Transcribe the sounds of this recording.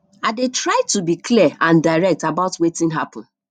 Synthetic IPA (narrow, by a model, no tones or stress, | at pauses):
adetɹaɪtubikliaʔãndaɪɹɛk̚tabaʊtwetɪ̃nɦapɔ̃n̩